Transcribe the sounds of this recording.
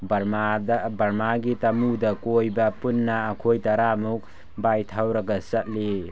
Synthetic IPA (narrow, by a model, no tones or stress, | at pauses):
badbɐɾmaɡitɐmudɐkojbɐpunːɐːkʰojtɐɾamuk̚ | bajtʰawɾɐɡɐsɐt̚li